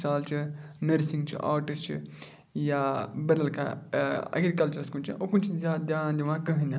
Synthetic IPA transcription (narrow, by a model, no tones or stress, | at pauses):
saːlt͡ʃʰɨnɐɾsĩŋɡt͡ʃʰḭʔa̰ːɾʈist͡ʃʰḭ | jaːbɐɾɐlka̰ɐ̰ɡɾikɐlt͡ʃɐɾskunt͡ʃʰḭʔokunt͡ʃʰizʲaːd̪ʲjaːnd̪iʋãːkɐɦɨnʲa